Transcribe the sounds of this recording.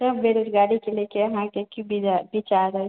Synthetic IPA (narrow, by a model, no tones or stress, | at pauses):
səbbeɾud̪ɡaɽikelekeəɦãkekubʱiabit͡ʃaɾəɛ